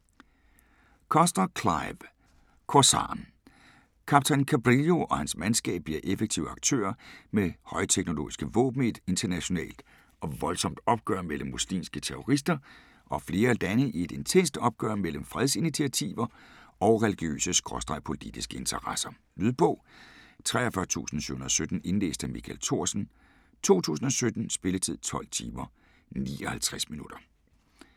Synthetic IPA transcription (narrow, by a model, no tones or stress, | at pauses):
kʰɒsd̥ɐkʰlɑ̈ɪb̥ | kʰosɑ̰̈ːn | kʰɑ̈b̥̚t͡sʰænkʰæb̥ʁiljo̝ʔɒ̽hænsmænsɡ̥ɛ̰ːb̥̚bliɐʔefeɡ̥̚t͡sʰiʊ̰ɑ̈ɡ̥̚t͡sʰø̰ːɐmehɒ̽ɪt͡sʰeɡ̥no̝lo̝̰ːisɡ̥əʋɔ̰̽ːb̥n̩id̥e̝nt͡sʰɐnæɕo̝nɛ̰ːld̥ | ɒ̽ʋɒ̽lsɒ̽m̰d̥ɒ̽b̥̚ɡ̥ɶɐmel̰m̩ːuslḭːmsɡ̥ət͡sʰeʁo̝ʁis̬d̥ɐ | ʔɒ̽fle̝ːɐd̥ænəʔie̝d̥e̝nt͡sʰen̰sd̥ɒ̽b̥̚ɡ̥ɶ̰ɐmel̰əm̩fʁɛð̞ˠsinit͡sʰiæt͡sʰḭːʋɐɒ̽ʊʁɛliɡ̥jø̰ːsəsɡ̥ʁɒsd̥ʁɑ̈ɪpʰo̝lḭd̥isɡ̥əe̝nt͡sʰɐʁɑsɐ | lyðˠb̥ɔ̽ːt͡sʰʁɛ̰ːɐfɶɐt͡sʰṵːsn̩sy̰hunð̩ˠɒsød̥n̩e̝nlḛːsd̥əmikʰæ̰lt͡sʰo̝ɐ̰sn̩ | t͡sʰo̝̰ːt͡sʰṵːs̬n̩ɒ̽sød̥n̩sb̥e̝lət͡sʰið̞̰ˠt͡sʰɒ̽l̰t͡sʰiːmɐ | nḭːɒhælt͡sʰʁasminud̥ɐ